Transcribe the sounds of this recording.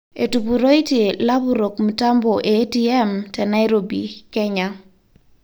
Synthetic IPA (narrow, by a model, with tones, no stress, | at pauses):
e˨tu˨pu˨ɾo˦i˦ti˨la˦bu˦ɾo˨kmi˨ta˦mbɔ˨ʔe˨˦ti˦ɛ˦mtɛ˨na˦jɾo˨bḭ˨kɛ˦ɲa